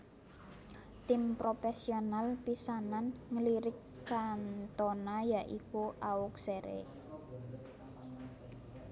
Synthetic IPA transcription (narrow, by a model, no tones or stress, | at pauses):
t̪ɪmpɾofɛsionalpisananŋəliɾɪk̚ | t͡ʃant̪onajaʔikuʔaʊk̚seɾḛ